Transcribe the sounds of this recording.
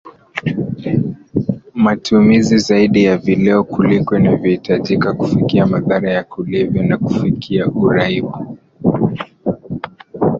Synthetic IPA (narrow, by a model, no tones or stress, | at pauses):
matumizizaiɗijavilɛɔkulikɔnavjɔhitʰaʄikakufikiamaðaɾajakʰulɛvjɔnakufikʰiaʔuɾaiɓu